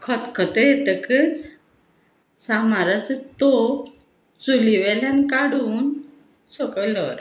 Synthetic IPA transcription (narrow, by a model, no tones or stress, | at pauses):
kʰɔt̪kʰət̪əjet̪əkət͡s | samaɾat͡sət̪o | t͡suliʋelankaɽuːn | sɔkəlɔɾ